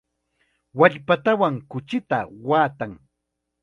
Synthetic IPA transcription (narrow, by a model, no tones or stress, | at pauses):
waʎpat̪awaŋkʊt͡ʃɪt̪a̰waːt̪aŋ